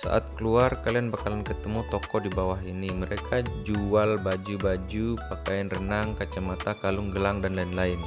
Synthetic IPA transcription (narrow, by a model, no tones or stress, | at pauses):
sa̰ʔa̰t̪̚kəluarkalianbakalankət̪əmut̪ɔkɔdibawaɦiniməɾekad͡ʒualbad͡ʒubad͡ʒupakajanrənaŋkat͡ʃamat̪akalʊŋɡəlaŋdanlaɪnlaɪn